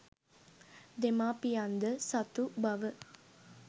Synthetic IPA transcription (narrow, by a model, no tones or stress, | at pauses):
d̪emaːpijand̪əsat̪ubaʋə